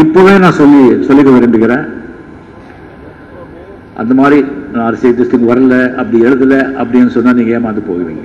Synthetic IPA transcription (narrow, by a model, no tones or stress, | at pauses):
ɪpːoːʋeːnãːsɔlːisɔlːɪkːɐʋɐɾɪmbɪkːɪɾẽː | ʔɐ̰nd̪ɐmaːd̪ɾinãːɐɾɐseːt̪ːɪst̪ɪŋɡɐʋɐɾɐlɐɐpːɐɽiɛɽɐt̪̬ːɯlɐʔɐpːɐɽɪɐnːɯsɔnːaːniːŋɡɐjaːmaːt̪ːɯpo̰ːɣɐʋḭːŋɡɐ